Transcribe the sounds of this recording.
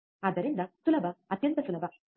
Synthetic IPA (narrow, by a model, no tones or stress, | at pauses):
ɐd̪ɐɾind̪ɐsulɐbʱɐɐt̪jɐnt̪ɐsulɐbʱɐ